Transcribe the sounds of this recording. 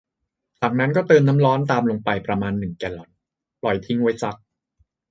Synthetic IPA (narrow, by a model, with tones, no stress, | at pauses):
t͡ɕaː˨˩k̚na˦˥nkɔː˥˩t̪ɤː˧nːa˦˥mɾɔː˦˥nt̪aː˧mlo˧ŋpa˧jpɾa˧maː˧nːɯ˨˩ŋkɛː˧˩lɔ˨˧˩n | plɔ˨˩jt̪ʰi˦˥ŋwa˦˥jt͡ɕa˨˦˩k̚